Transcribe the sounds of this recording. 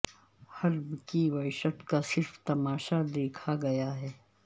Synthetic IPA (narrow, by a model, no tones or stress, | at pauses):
hɐlbkiwɐɪʃət̪kasɪɾft̪ɐmaːʃad̪eːkʰaɡɐjaɦɛː